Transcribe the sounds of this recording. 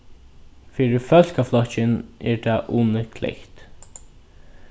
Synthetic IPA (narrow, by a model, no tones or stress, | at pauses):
fiːɹɪfœl̥kaflɔt͡ʃɪnɛ̰ɹt̪ʰaʔuːnəkʰlɛ̰çt̪